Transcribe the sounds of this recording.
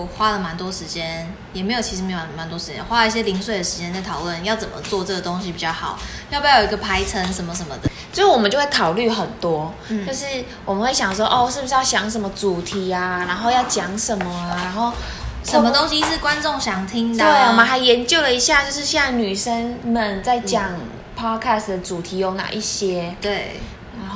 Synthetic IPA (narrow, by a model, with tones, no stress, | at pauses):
xwa˦˥lə˨ma˧˦nt̪wɔ˥ʂɻ̩˧˥t͡ɕjɛ˦˥n | jɛ˨˩me˧˥ɪjt͡ɕʰi˧ʂɻ̩˧e˧˥jo˨˩˨ma˧˦nt̪wɔ˥ʂɻ̩˧t͡ɕjɛ̰˦nxwa˦˥lə˧i˥˩ɕ̬jɛ˥li˧˥ŋswe˥˩ɪd̪ə˩ʂɻ̩˧˥t͡ɕjɛ˥na˥˩ɪt̪ʰɑ˨˩ʊlwə˥˨njɑ˥˩ʊt͡sə˨˩mə̰˦t͡swɔ˥˧ʈ͡ʂə˥ɡə˩t̪o˥ŋɕi˧˦pi˨˩t͡ɕjɑ˥˩ʊxɑ˨˩˦ʊjpjo˨˧ɡə˨˩pʰa˥ɪt͡sʰə˦nʂə˧˥nmə˧ʂ̬ə˧˦nmə˧d̪ə˩so˧˥˩wɔ˨mə˨˦t͡ɕjo˥˧we˥˩kʰɑ˨˩ʊly˥˩xə˨˩nt̪wɔ˦˩ | jo˥˧ʊʂɻ̩˥˩ | wɔ˨˩mə˨nxwe˥˩ɪɕjɑ˨˩ŋʂwɔ˦˥ʔɔ˥˧ʂɻ̩˥˩bu˧˩˥jɑ˥˩ʊɕjɑ˧˥ŋʂ̬ə˧nmə˧˦t͡su˨˩t̪ʰi˨˥˦a˨na˧˥nxo˥˧jɑ˥˩ʊt͡ɕjɑ˨˩ŋʂə˨˦nmə˨˩ana˧˦nxo˥˩ʊ | ʂə˨˥˦mə˧t̪o˥ŋɕi˧ʂ̩˥˩kwa˦nt͡sʊ˥˨˩ŋɕjɑ˨˩ŋt̪ʰi˦ŋtd̪əwe˧˥˩mə˨˦xa˧˥ɪjɛ˧˦nt͡ɕjo˥˩ʊlə˩i˧˥ɕja˥˧t͡ɕjo˥˧ʊʂɻ̩˥˧ɕjɑ˥˩ŋny˨˩ʂə˦˥nmə˨nt͡sa˥˩ɪt͡ɕjɑ˨˩ŋ | pʰɑ˦˥kʰa˥˩sd̪ə˩t͡su˨˩t̪ʰi˨˥jo˧˩na̰˨˩ʔi˥˩ɕjɛ˥t̪we˥˩ɪ | a˧˦˥no˥